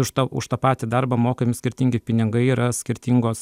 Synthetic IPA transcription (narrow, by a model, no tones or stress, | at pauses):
ʊʃt̪ɐʊ̰ʃt̪ɐːpɑːt̪ʲɪd̪ɐrbɐmoːkʲemʲɪsʲkʲɪɾʲt̪ʲiŋʲɡʲɪpʲɪnʲɪŋɡɐɪiːɾɐsʲkʲɪɾʲt̪ʲiŋɡoːs